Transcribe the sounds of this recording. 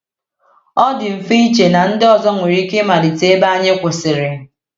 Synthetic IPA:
ɔ˦dɪ˨m̩˨fe˦i˦t͡ʃe˨na˨n̩˦dɪ˦ɔ˨zɔ˦ŋʷe˨ɾi˦kɪ˦ma˨dɪ˨te˦e˦ba˦ɲe˦kʷʊ˨sɪ˨ɾɪ˨

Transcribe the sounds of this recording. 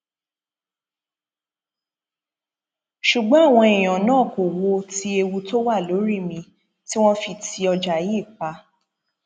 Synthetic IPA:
ʃu˨ɡ͡bɔ̃˨˦a˦˨w̃ɔ̃˧i˨j̃ɔ̃˨nãː˦˨ko˨wo˧ti˧˦e˧wu˧to˦wa˦˨lo˨˦ɾi˦˨mĩ˧ | ti˦w̃ɔ̃˦fi˧tʰi˧ɔ˧d͡ʒa˨ji˦˨k͡pa˧

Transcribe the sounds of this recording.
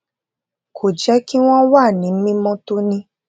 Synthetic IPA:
kʰo˨d͡ʒɛ˨˦ki˦w̃ɔ̃˦wa˦˨nĩ˨˦mĩ˦mɔ̃˦to˦nĩ˦

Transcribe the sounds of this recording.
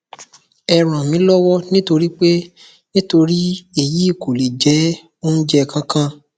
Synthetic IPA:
ɛ˧ɾ̃ã˨mĩ˨˦lɔ˦wɔ˦nĩ˦to˧ɾi˦k͡pe˦ | nĩ˦to˧ɾi˦e˨ji˨˦i˦˨ko˨le˨d͡ʒɛ˨˦ | o˦n̩˦d͡ʒɛ˦˨kã˦kã˦

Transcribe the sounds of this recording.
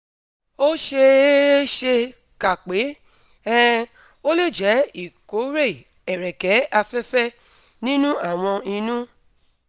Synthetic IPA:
o˦ʃe˧˦ʃe˧ | ka˨k͡pe˨˦ | ɛ̃˦ | o˦le˦˨d͡ʒɛ˨˦i˨ko˨˦ɾe˦˨ | ɛ˨ɾɛ˨kɛ˨˦a˧fɛ˦fɛ˦ | nĩ˦nũ˦a˦˨w̃ɔ̃˧ĩ˧nũ˦

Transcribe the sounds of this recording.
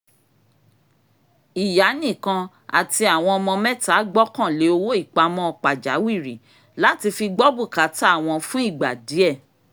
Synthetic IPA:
i˨ja˨˦nĩ˦˨kã˧ | a̰˨ti˧a˨w̃ɔ̃˧ɔ˧mɔ̃˧mɛ̃˦ta˨˦ɡ͡bɔ˦kã˦˨le˨˦o˧wo˦i˦˨k͡pa˧˦mɔ̃˦ɔ˧k͡pa˨d͡ʒa̰˨˦wi˦˨ɾi˨˦ | la˦ti˧fi˧ɡ͡bɔ˦bu˦˨ka˨˦ta˦a˦˨w̃ɔ̃˧fũ˦i˦˨ɡ͡ba˨di˨˦ɛ˦˨

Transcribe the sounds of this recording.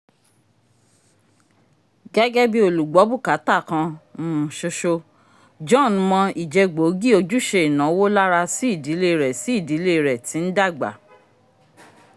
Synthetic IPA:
ɡɛ˦ɡɛ˦bi˦o˧˨lu˨ɡ͡bɔ˨˦bu˦˨ka˨˦ta˦˨kã˧mũ˦˨ʃo˧ʃo˧ | d͡ʒɔ̃˦˨n˦mɔ̃˧i˨d͡ʒɛ˧ɡ͡bo˨˦ɡi˦o˧d͡ʒu˦ʃe˧i˨nã˨˦wo˦la˦ɾa˧si˦i˦˨di˨˦le˦˨ɾɛ˨si˨˦i˦˨di˨˦le˦i˧ɾɛ˨tĩ˨˦n̩˦da˦˨ɡ͡ba̰˨

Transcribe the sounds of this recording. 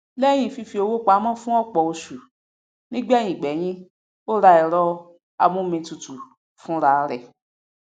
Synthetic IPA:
lɛ˦j̃ĩ˦˨fi˧fi˧˦o˧wo˦k͡pa˨˦mã˦fũ˦ɔ˦k͡pɔ˨o˧ʃu˨ | nĩ˦ɡ͡bɛ˦˨jĩ˨ɡ͡bɛ˨˦jĩ˦ | o˦ɾa˧i˨ɾɔ˧ | a̰˨mũ˦mĩ˨˧˦tu˧tu˨ | fũ˦ɾa˨˦ɾɛ˨

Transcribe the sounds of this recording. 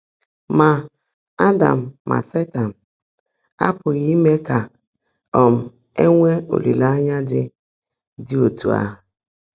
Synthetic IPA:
ma˨ | a˦da̰˨m̩ː˨a̰˨se˦ta˨n̩˨ | a̰˦pʊ˨ɣi˦i˦me˦ka˨ | ɔ˨m̩˨ | e˦ŋʷe˦o̰˨lḭ˨la˦a˦ɲa˦dɪ˦ | dɪ˦o˨tṵ˨a̰˦

